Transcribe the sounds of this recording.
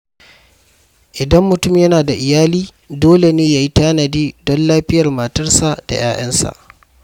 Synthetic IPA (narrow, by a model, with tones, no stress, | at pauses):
ʔɪ˨dɐ˦mːʊ˨tʊ˦mjɐ˦naː˨da˨ʔɪ˨jaː˦liː˦ | doː˦le˨neː˦jaː˨ji˦taː˦nɐ˨diː˦dɔ˦nlaː˦ɸɪ˦jɐ˨rma˨tɐ˦rsa˨ʔd̥a̰˨j̰a̰ː˦ʔɐ˦nsa̰˨ʔ